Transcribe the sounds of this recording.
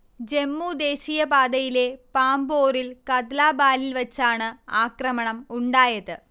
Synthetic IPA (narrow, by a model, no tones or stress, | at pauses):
d͡ʑe̞mːuːd̪e̞ːɕijɐpaːd̪ɐjile̞paːmbo̞ːrilkɐd̪laːbaːlilʋɐt͡ɕːaːɳɨaːkrɐmɐɳɐmuɳɖaːjɐðɨ